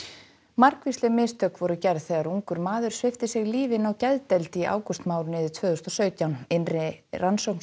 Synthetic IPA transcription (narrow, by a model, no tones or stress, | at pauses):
maɾkvist̪lɪmɪst̪ʰœkvɔɾʏcɛɾðθɛːɣaɾuŋkʏɾmaːðʏɾ̥svɪft̪ɪsɪɣliːvɪɪnawcɛðt̪ɛlt̪iʔa̰ːwkʏst̪maːwɾʏnɪːðɪɾt̪ʰvœːɣʏst̪ɔsœːɥt̪jawnɪnrɪransowkn